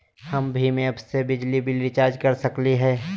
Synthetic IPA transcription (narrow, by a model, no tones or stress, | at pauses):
hɐmbʱimẽɐbsebɪd͡ʒlibʱɪlɾɪt͡ʃaːɾd͡ʒkɐɾsɐkliɦɛː